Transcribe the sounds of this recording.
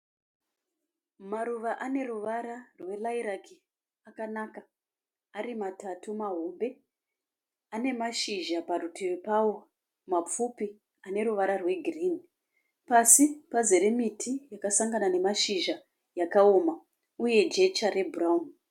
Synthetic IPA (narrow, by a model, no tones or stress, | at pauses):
maɾuʋaʔane̞ruʋaɾarwe̞laiɾakʰi | akanaka | aɾimatatumaɦo̞mbe̞ | ane̞maʃiʒaparutʰiripawo̞ | map͡fupi | ane̞ruʋaɾarwe̞ɡʱiriːni | pasipaze̞ɾemitʰijakasaŋɡanane̞maʃiʒa | jakao̞ma | uje̞d͡ʒe̞t͡ʃare̞bʱuraun